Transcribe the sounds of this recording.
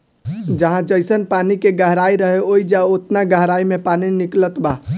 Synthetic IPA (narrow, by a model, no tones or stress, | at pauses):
d͡ʒəɦãd͡ʒəɪsənpanikeɡəɦɾaiɾəɦeoid͡ʒaot̪naɡəɦɾaimepaniniklət̪ba